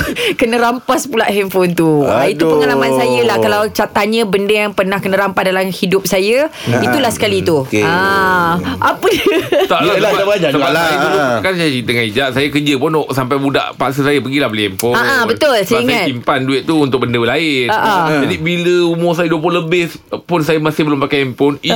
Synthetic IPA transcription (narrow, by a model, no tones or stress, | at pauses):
kənə̃ɾampaspulaʔɦɛmfɔnt̪uait̪upəŋalamãnsajəlahkalawt͡ʃat̪aɲə̃bəndəjaŋpərnahkənə̃ɾampahdalamhidʊp̚sajəit̪ulahsə̥kalit̪ua | ʔapədət̪aʔaabaɲaəalaukasajət͡ʃint̪əŋãnid͡ʒaʔsajakəd͡ʒəpʊnoʔsampajbuda̰ʔpaʔsəsajəpəɡilahbəliɛmpoaʔabət̪ʊlsəiŋãt̪impanduɪt̪̚t̪uunt̪ʊk̚bəndəəlaɪnəʔad͡ʒadibiləumʊrsajəduəp̬ʊləbɪh | pʊnsajəmasɪhbəlʊmpakajɛmponi